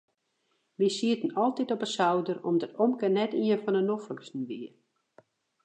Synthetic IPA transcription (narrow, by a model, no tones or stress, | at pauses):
ʋisiətən̩ɔlˠtitɔpəsawdərɔ̰mdɔtomkənɛtiənfɔnənofəksn̩ʋiə